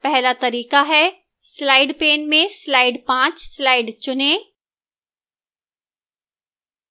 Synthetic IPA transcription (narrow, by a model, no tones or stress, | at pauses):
pɛɦlat̪ɐɾiːkaɦɛː | slaːɪɖpeːnmẽslaːɪɖpãːt͡ʃslaːɪɖt͡ʃʊnẽː